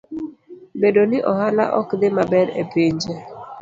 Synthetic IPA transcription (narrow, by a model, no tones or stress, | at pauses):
bedonɪʔɔhala̰ʔɔkd̪ɪmabɛɾḛpiɲd͡ʒe